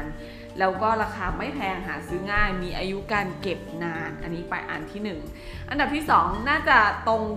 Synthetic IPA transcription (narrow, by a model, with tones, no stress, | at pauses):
n | lɛː˦˥wkɔː˥˩ɾaː˧kʰaː˧ma˥˩jp̪ʰɛː˧ŋɦaː˩˦sɯː˦˥ŋaː˥˩jmiː˧ʔaː˧ju˦˥kaː˧nke˨˩p̚naː˧nʔa˧nːiː˦˥pa˧jʔa̰ː˧nt̪ʰiː˥˩nɯ˨˩ŋ | ʔa˧nda˨˩p̚t̪ʰiː˥˩sɔː˩˦ŋnaː˥˩t͡ɕa˨˩t̪o˧ŋ